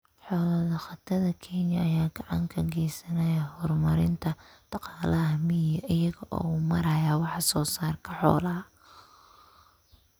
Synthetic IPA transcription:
ħɔːlɐðɐχɑt̪ʰɐðɐkʰɛnjɐːjaːɡ̥ɑʕɑŋkʰɐɡɛjsɐnɐjɐhɔrmɐɾɪnt̪ʰɐd̪̥ɑqɑːlɐɦɐmɪjɐʔɪjɐɣɐʔɔ̰ːuːmɐɾɐːjaːwɑħɑsɔːsaːrkʰɐħɔ̰ːlɐɦɐ

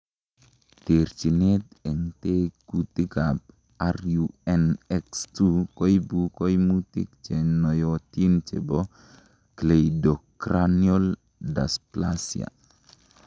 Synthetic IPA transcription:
t̪eɾt͡ʃinet̪eŋteɡut̪ikab̚ | aɾjuenekstukojbukojmutḭk̚t͡ʃenojotint͡ʃḛbo | klejdokɾaniol | dasplasḭa̰

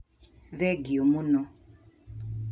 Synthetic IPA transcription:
ðɛɡiomunɔ

